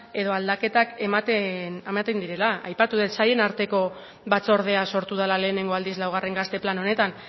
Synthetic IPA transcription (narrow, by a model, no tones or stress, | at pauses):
e̞ð̞o̞ald̪ake̞t̪akemat̪enamat̪end̪iɾe̞laajpat̪uðet̪saje̞naɾt̪e̞ko̞ | βat͡so̞ɾð̞e̞aso̞ɾt̪uð̞alale̞ːne̞ŋɡo̞ald̪izlawɣare̞ŋɡast̪e̞plano̞ne̞t̪an